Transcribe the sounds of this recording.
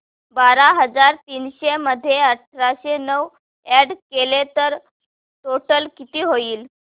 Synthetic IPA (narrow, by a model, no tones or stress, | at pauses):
baɾaɦəd͡zaɾt̪iːnɕeməd̪ʱːjeəʈʰɾaɕenəʋ | ɛɽkelet̪əɾ | ʈoʈəlkit̪iːɦoiːl